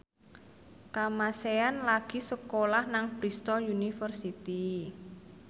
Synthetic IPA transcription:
kamaseanlaɡ̥i̤səkolahnaŋb̥ɾist̪ɔjunifərsit̪i

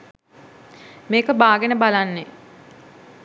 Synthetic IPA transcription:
meːkəbaːɡenəbalanːe

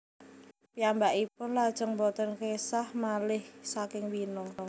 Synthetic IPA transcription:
piambaʔipʊnlad̥ʒ̥əŋbɔt̪ənkesahmalɪhsakɪŋwinʊŋ

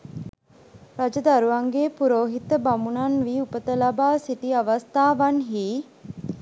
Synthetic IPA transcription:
ɾad͡ʒəd̪aɾuaŋɡeːpuɾoːɦit̪əbamunanʋiːupət̪əlabaːsit̪iaʋast̪aːʋanɦiː

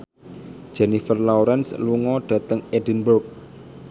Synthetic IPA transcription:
d̥ʒ̥ɛnifərlawɾɛnsluŋɔɖ̥ä̤t̪əŋedi̤nburk̚

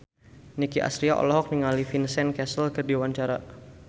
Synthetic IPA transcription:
nikiʔa̰sɾiaʔɔ̰lɔɦɔk̚niŋalifinsɛnkɛsəlkərdiwaɲt͡ʃaɾa

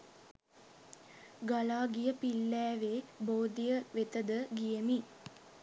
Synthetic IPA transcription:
ɡalaːɡijəpilːæːʋeːboːd̪ijəʋet̪əd̪əɡijəmi

